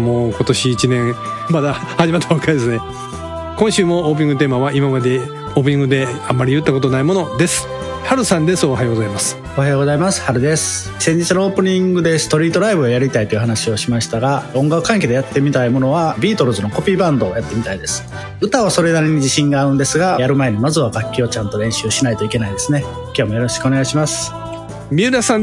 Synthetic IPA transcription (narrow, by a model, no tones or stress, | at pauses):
moːko̞t̪o̞ɕiːt͡ɕinẽ̞ | mad̪a | haʑimat̪ːeβakʰːaid̪esɨne | kõɕɨːmo̞oːpɯ̟ɲĩŋɡɯ̟t̪̬eːmaβaimamad̪e | oːp̬ɯ̟ɲ̟ĩŋɡɯd̪e̞amːaɾʲijɯ̟t̪ːako̞t̪onaimo̞no̞d̪e̞sɨ̥ | haɾɯ̟sãnd̪esɨo̞hajoɡozaimasɨ̥ | ohajoɡo̞zaimasɨ̥haɾɯ̟d̪e̞sɨ̥ | sẽ̞ɲ̟d͡ʑit͡sɨnoo̞ːpɯ̟ɲ̟ĩŋɡɯ̟d̪e̞sɨ̥t̪o̞ɾʲiːt̪o̞ɾaibɯ̟ojaɾʲit̪ait̪ojɯ̟ɦanaɕio̞ɕimaɕi̥t̪aɡaõ̞ŋɡakɯ̟kãŋk̬e̞d̪eat̪ːe̞mʲit̪aimo̞no̞β̞abʲiːt̪o̞ɾɯ̟zɨno̞ko̞pʲiːbãnd̪o̞ːjat̪ːe̞mʲit̪aid̪e̞sɨ̥ | ɯ̟t̪aβaso̞ɾe̞d̪aɾeɲ̟id͡ʑiɕĩŋɡaːɯ̟̃nd̪e̞sɨɡajaɾɯ̟mae̞ɲ̟imazɨβaɡakʲːio̞t͡ɕãnt̪o̞ɾẽ̞ɰ̃ɕɨːɕinait̪o̞ike̞naid̪e̞sɨne̞ | kʲo̞ːmo̞jo̞ɾo̞ɕi̥kɯo̞ne̞ɡaɕimasɨ̥ | mʲiːɾasã